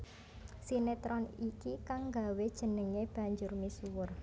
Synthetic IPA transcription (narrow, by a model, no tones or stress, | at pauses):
sinet̪ɾɔnikikaŋɡawed̥ʒ̥ə̤nəŋeb̥ä̤ɲd͡ʒʊrmisuwʊr